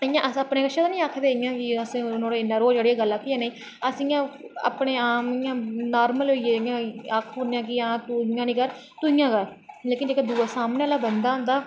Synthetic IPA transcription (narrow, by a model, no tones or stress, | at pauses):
ɪjãːʔəsapneːkəʃʰãːt̪aːnĩːaːkʰd̪eːɪjãːkɪəsĩːnõːɽeɪnaɾoːd͡ʒeːɽijaːɡəlːaːkʰiːãːneĩː | əsijãːə̰pɳeːaːmɪjãːnaːɾməlɦoːieɪjãːaːkʰoːnjãːkɪãːt̪ujãːnĩːkəɾt̪ʊɪjãːɡəlleːkɪnd͡ʒeːkːd̪uːaːsaːmneːlaːbənd̪aːõːnd̪aː